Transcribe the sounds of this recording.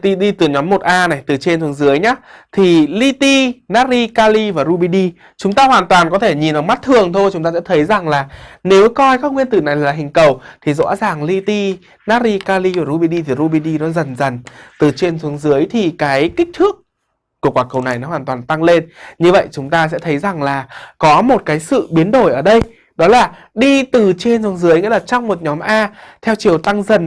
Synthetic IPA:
t̪i˧ɗi˧t̪ɨ˨˩ɲɔ˨˦mːo˨˩t̚ʔaː˧na˨˩jt̪ɨ˨˩t͡ɕe˧nt̪ʰu˨ə˦ŋzɨ˨˦əjɲaː˨˦˥t̪ʰi˨˩li˧t̪i˧naː˦˥t̚zi˧kaː˧li˧vaː˨˩zu˧ɓi˧ɗi˧ | t͡ɕʊ˨˦ŋ͡mt̪aː˧hwaː˨˩nt̪waː˨˩nkɔ˨˦t̪ʰe˧˩ɲi˨˩nʔɔ˨˩ŋ͡mma˦˥t̚t̪ʰɨ˨˩əŋt̪ʰo˧jt͡ɕʊ˨˦ŋ͡mt̪a˧sɛ̰˧˥t̪ʰə˨˦jza˨˩ŋlaː˨˩ne˨˦wkɔ˧jkaː˦˥k̚ŋwi˧ənt̪ɨ˨˩na˨˩jlaː˨˩ɦï˨˩ŋ̟kə˨˩wt̪ʰi˨˩zɔ̰˧˥zaː˨˩ŋli˧t̪i˧ | naː˦˥t̚ːi˧kaː˧li˧vaː˨˩ɾu˧ɓi˧ɗi˧t̪ʰi˨˩ɾu˧ɓi˧ɗi˧nɔ˨˦zə˨˩nzə˨˩nt̪ɨ˨˩t͡ɕe˧nzu˨˦əŋzɨ˨˦əjt̪ʰi˨˩kaː˨˦jkï˦˥k̚t̪ʰɨ˦˥ək̚ː | u˧˩əkwaː˧˩kə˨˩wna˨˩jnɔ˨˦ɦwaː˨˩nt̪waː˨˩nt̪a˧ŋle˧nɲɨ˧və̰˧˨jt͡ɕʊ˨˦ŋ͡mt̪aː˧s̬ɛ̰˧˥t̪ʰə˨˦jza˨˩ŋlaː˨˩kɔ˨˦mo˨˩t̚kaː˨˦jsɨ̰˧˨ɓi˨˦ənɗo˧˩jʔəː˧˩ɗə˧j | ɗɔ˨˦laː˨˩ | ɗi˧t̪ɨ˨˩t͡ɕe˧nzu˨˦ŋzɨ˨˦əjŋḭ˧˥laː˨˩t͡ɕɔ˧wŋ͡mmo˨˩t̚ɲɔ˨˦mʔaː˧t̪ʰɛ˧wt͡ɕi˨˩əwt̪a˧ŋzə˨˩n

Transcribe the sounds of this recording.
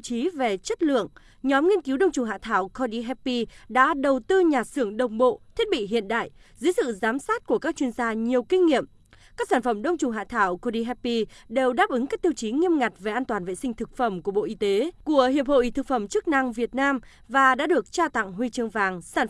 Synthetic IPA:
t͡ɕi˨˦ve˨˩t͡ɕə˦˥t̚lɨ̰˧˨əŋ | ɲɔ˨˦mŋi˧ənki˨˦wɗə˧wŋ͡mt͡ɕʊ˨˩ŋ͡mɦa̰ː˧˨t̪ʰaː˧˩wkʰɔ˧ɗi˧ɦɛ˧pːi˧ɗa̰ː˧˥ɗə˨˩wt̪ɨ˧ɲaː˨˩sɨ˧˩əŋɗə˨˩wŋ͡mɓo̰˧˨t̪ʰi˦˥ət̚ɓḭ˧˨ɦḭ˧˨ənɗa̰ː˧˨jzɨ˨˦jsɨ̰˧˨zaː˨˦msaː˦˥t̚ku˧˩əkaː˦˥k̚t͡ɕwi˧ənzaː˧ɲi˨˩əwkï˧ŋ̟ŋḭ˧˨əm | kaː˦˥k̚saː˧˩nfə˧˩mɗə˧wŋ͡mt͡ɕʊ˨˩ŋ͡mɦa̰ː˧˨t̪ʰaː˧˩wko˧ɗi˧ɦɛ˧pːi˧ɗe˨˩wɗaː˦˥p̚ʔɨ˨˦ŋkaː˦˥k̚t̪i˧əwt͡ɕi˨˦ŋi˧əmŋa˨˩jt̟̚ve˨˩ʔaː˧nt̪waː˨˩nvḛ˧˨sï˧ŋ̟t̪ʰɨ˨˩k̚fə˧˩mku˧˩əɓo̰˧˨ʔi˧t̪e˨˦ku˧˩əhḭ˧˨əp̚ho̰˧˨ʔi˨˩t̪ɨ˨˩k̚fə˧˩mt͡ɕɨ˦˥k̚na˧ŋvi˨˩ət̚naː˧m | vaː˨˩ɗa̰ː˧˥ɗɨ˨˩ək̚t͡ɕaː˧t̪a̰˧˨ŋɦwi˧t͡ɕɨ˧əŋvaː˨˩ŋsaː˧˩n

